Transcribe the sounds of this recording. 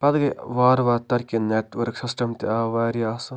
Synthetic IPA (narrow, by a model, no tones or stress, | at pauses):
pɐd̪ɡɐʋaːɾʋaːt̪ɐɾkʲineʈʋɐɾksisʈɐmt̪iaʋaːɾiaːsɐ